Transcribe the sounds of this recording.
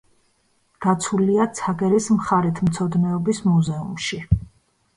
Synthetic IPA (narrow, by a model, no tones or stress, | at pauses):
ɡ̥at̪sʰuliat̪sʰaɡɛɾismχaɾit̪ʰmt̪sʰɔd̪nɛɔbismuzɛṵmʃi